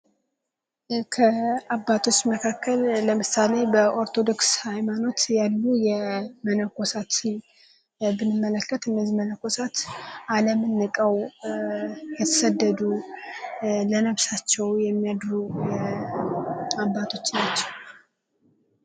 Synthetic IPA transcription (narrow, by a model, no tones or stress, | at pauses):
kʰəabːat̪ʰo̞t͡ʃːməkʰakːəlːəmɨsane̞bəʔo̞ɾt̪ʰo̞d̪o̞kshajmano̞t̪jalːujɛmənəko̞sat̪ | bɨnːɨmːələkːət̪ɨnːəzimənəko̞sat̪ʔaləmɨnːɨkʼəw | jɛt̪ʰə̥səd̪ːəd̪u | lənəβsat͡ʃːɛwjɛmːijad̪ɾu | abːat̪ʰo̞t͡ʃːnat͡ʃːɛw